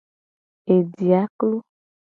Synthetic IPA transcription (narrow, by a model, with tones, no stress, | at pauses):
e˨di˨a˦klo˦